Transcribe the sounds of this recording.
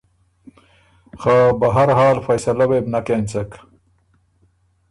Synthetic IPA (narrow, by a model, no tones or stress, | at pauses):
xabɐɦɐɾɦaːlfɐjsɐlɐwebnɐkeːnt͡sek